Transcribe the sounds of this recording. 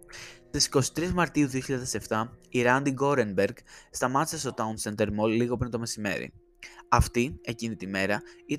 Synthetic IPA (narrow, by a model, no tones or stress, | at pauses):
st̪isi̥ko̞si̥t̪ɾizmɐɾt̪iuðioçiʎaðe̞se̞ft̪ɐiɾɐnd̪iɡo̞ɾenbe̞ɾɡst̪ɐmɐt̪i̥se̞st̪o̞t̪ɐunsent̪e̞ɾmo̞lliɣo̞p̬ɾint̪o̞me̞sime̞̰ɾḭ | ɐft̪ie̞cinit̪ime̞ɾɐit̪